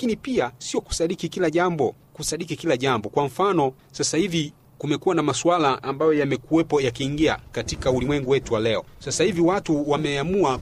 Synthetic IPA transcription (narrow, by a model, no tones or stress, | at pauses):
akinipiasiɔku̥saɗikikilaʄambɔ | kusaɗikikilaʄambɔkwam̩fanɔ | sasahivi | kumɛkuwanamaswalaʔambajɔjamɛkuwɛpɔjakiːŋɡia̰katikaulimwɛŋɡuwɛtuwalɛɔsasahiviwatuwamɛamua